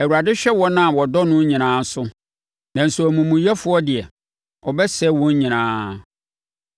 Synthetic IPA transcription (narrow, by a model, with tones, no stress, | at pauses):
ɛ˨wu˨ɾa˨dɪ˦ɕᶣɛ˦wɔ˦nã˦˨wɔ˨dɔ˦nʊ̃˦ɲĩ˨nãː˨˦sʊ˦ | nã˨n̩˨sʊ˨æ˨mũ˨mũ˨jɛ˦fʊ˦ɔ˦dɪ˨ɛ˨ | ɔ˨bɛ˦sɛ˦wɔ̃˦ɲ˦ɲĩ˨nãː˦